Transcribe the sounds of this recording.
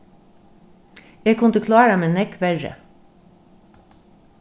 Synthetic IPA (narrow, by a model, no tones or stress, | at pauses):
jeːkʰʉnt̪əkʰlɑːɾɑmeːnɛkʋæɹə̰